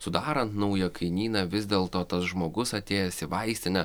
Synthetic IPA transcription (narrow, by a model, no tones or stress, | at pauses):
sʊd̪ɑːɾɐnt̪nɒʊjɛkʰɐɪnʲiːnɑʋʲɪzʲd̪ʲeːlˠt̪oːt̪ɐsʒmoːɡʊsɐt̪ʲeːjɛsʲɪʋɐɪsʲt̪ʲɪnʲɛ